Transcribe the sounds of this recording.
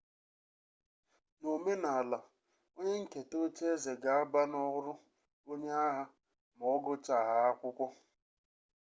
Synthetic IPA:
no˨me˦na˨a˨la˨ | o˦ɲe˦ŋ̩˦ke˨to˦t͡ʃe˦ze˨ɡa˨a˦ba˦nɔ˦ɣʊ˦ɾʊ˦ | o˦ɲe˦a˦ɦa˦ | m˨ɔ˦ɡʊ˦t͡ʃa˨ɦa˦a˦kʷʊ˦kʷɔ˦

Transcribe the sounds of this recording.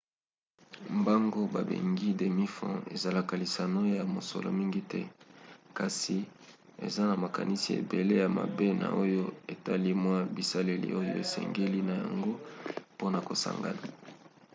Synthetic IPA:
mba˦ŋɡo˦ba˨bḛ˨ŋɡi˦de˨mi˦fɔ̰̃˦ḛ˨za˨la˦ka˨li˨sa˨no˦ja˨mo˨so̰˨lo̰˦mi˦ŋɡi˦tɛ˦ka˨si˨ | ḛ˨za˦na˨ma˨ka˨ni˦si˨ḛ˨be˨le˦ja˨ma̰˨be˦na̰˨o˦jo˦e˨ta˦li˦mwa˦bi˨sa˦le˦lḭ˦ʔo˦jo̰˦e˨sɛ̰˨ŋɡe˦li˦na˨ja̰˨ŋɡo˦po˦na˨ko˨sa̰˨ŋɡa˦na˨

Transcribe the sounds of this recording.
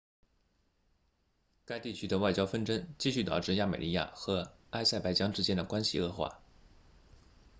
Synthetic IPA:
ka˥ɪt̪i˥˩t͡ɕʰy˥d̪ə˨˧wa˥˩ɪt͡ɕjɑ˥ʊfə˥˧nʈ͡ʂə˥ŋt͡ɕi˥˧ɕy˥˩t̪ɑ˨˩ʊʈ͡ʂɻ̩˥˧ja˥˩me˨˩li˥ja̰˥˩xɤ˧˥ | a˥ɪsa˥˩ɪpa˥ɪt͡ɕjɑ˥ŋʈ͡ʂɻ̩˥t͡ɕjɛ˥nd̪ə˨˩kwa˥nɕi˨ɤ˥˧xwa̰˥˩

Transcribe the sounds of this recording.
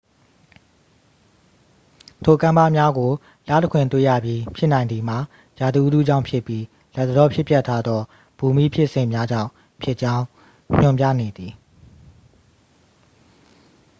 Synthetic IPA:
tʰo˨kã˦mba̰˦˨mja˦ɡo˨ | la̰˦˨təkʰwɪ̃˨nt̪wḛ˦˨ja̰˦˨bji˦pʰjɪ˦ʔnã˨ɪ̃nd̪i˨m̥a˨ | ja˨d̪i˨ʔu˦dṵ˦˨d͡ʑã̰˦˨pʰɪ˦˨pːji˦ | lɛ˦t̪ːəɾɔ˦pʰjɪ˦pjɛ˦tʰːa˦d̪ɔ˦ | b̥u˨mi˦pʰjɪ˦ʔsɪ̃˨mja˦d͡ʑã̰˦˨ʊ̃ | pʰjɪ˦ʔt͡ɕã˦ʊ̃ | ɲ̥ʊ̃˦˨mp̬jä̰˦˨ne˨d̪ði˨

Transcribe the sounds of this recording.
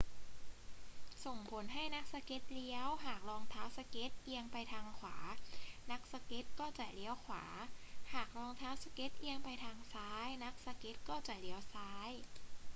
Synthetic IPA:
so˨˩ŋpʰo˩˦nɦa˥˩jna˦˥k̚sa˧ke˦˥t̪̚li˧˥əwɦaː˨˩k̚lɔː˧ŋt̪ʰaː˦˥wsa˧ke˦˥t̪̚ʔi˧əŋpa˧jt̪ʰaː˧ŋkʰwaː˩˦na˦˥k̚sa˧ke˦˥t̪̚kɔː˥˩t͡ɕa˨˩li˧˦əwkʰwa̰ː˩˦haː˨˩k̚ɾɔː˧ŋt̪ʰaː˦˥wsa˧ke˦˥t̪̚ʔi˧əŋpa˧jt̪ʰaː˧ŋsaː˦˥jna˦˥k̚sa˧ke˦˥t̪̚kɔː˥˩t͡ɕa˨˩ʔli˦˥əwsaː˦˥j

